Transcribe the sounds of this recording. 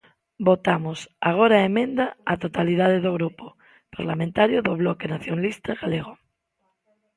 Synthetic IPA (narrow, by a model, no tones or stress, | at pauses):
bot̪amosaɣ̞oɾaemẽnd̪aat̪ot̪alið̞aðeðoɣɾupo | paɾlamẽnt̪aɾjoðoβ̞lokenaθjonalist̪aɣaleɣ̞o